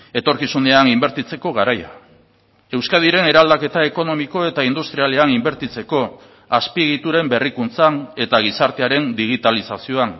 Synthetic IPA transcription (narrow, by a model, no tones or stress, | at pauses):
e̞t̪o̞ɾkisuneanimbe̞ɾt̪it͡se̞ko̞ɣaɾaja̰ | e̞wskað̞iɾe̞ne̞ɾald̪ake̞t̪ae̞ko̞no̞miko̞e̞t̪aind̪ust̪ɾialeanimbe̞ɾt̪it͡se̞ko̞ | aspiɣit̪uɾe̞mbe̞rikunt͡sane̞t̪aɣ̞isaɾt̪e̞aɾe̞nd̪iɣ̞it̪alisasio̞an